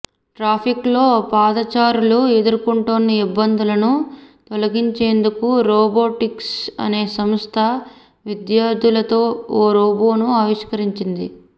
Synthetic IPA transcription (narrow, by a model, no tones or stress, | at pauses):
ʈɾaːpʰiklo̞ːpaːd̪ɐt͡ʃaːɾulue̞d̪uɾkuɳʈoːnːiibːɐnd̪ulɐnut̪ɔlɐɡiɲt͡ʃe̞ːnd̪ukuɾɔːboːʈiksɐ̰ne̞ːsɐmst̪ʰɐ | ʋid̪jaːɾd̪ʱilɐt̪o̞ːoːɾoːbo̞ːnuɐːʋiʂkɐɾiɲt͡ʃind̪ḭ